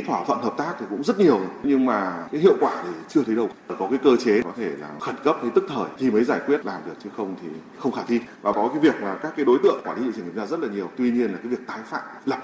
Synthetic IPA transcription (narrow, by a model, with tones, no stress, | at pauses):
t̪ʰwaː˧˩t̪ʰə̰˧˨nhəː˨˩p̚t̪aː˦˥kt̪ʰi˨˩kʊ̰˧˥ŋ͡mzə˦˥t̚ɲi˨˩əwɲɨ˧ŋmaː˨˩kaː˨˦jɦḭ˧əwkwaː˧˩ɗe˧˩t͡ɕɨ˧ət̪ʰə˨˦jɗə˧˩wkɔ˨˦kaː˨˦jkəː˧t͡ɕe˨˦kɔ˨˦t̪ʰe˧˩la̰ː˨˩xə˧˩nkə˦˥p̚hə˧jt̪ɨ˦˥k̚t̪ʰəː˧˩jt̪ʰi˨˩mə˨˦jzaː˧˩jkwət̚laː˨˩mɗi˨˩ək̚t͡ɕə˨˦xə˧wŋ͡mt̪ʰḭ˨˩ | xə˧wŋ͡mxaː˧˩t̪ʰi˧vaː˨˩kɔ˨˦kaː˨˦jvi˨˩ək̚maː˨˩kaː˦˥kːaː˨˦jɗo˨˦jt̪ɨ̰˧˨əŋkwaː˧˩t̪ʰḭ˨˧˦i˨˩zaː˧zə˦˥t̚laː˨˩ɲi˨˩əwt̪wi˧ɲi˧ənlaː˨˩kːaː˨˦vi˨˩ək̚t̪aː˨˦jfa̰ː˧˨mlə˨˩p̚